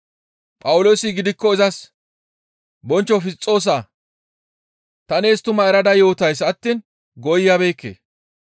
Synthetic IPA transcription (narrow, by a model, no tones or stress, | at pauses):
pʼɐwʊlo̞ːsɪɡɪd̪ɪkːɔɪzɐs | bɔnt͡ʃːɔfɪst͡sʼːo̞ːs̬aː | t̪ɐneːst̪ʊmɐɛɾɐd̪ɐjo̞ːt̪ɐjsɐt̪ːiːn | ɡɔjjabe̞ːkːḛː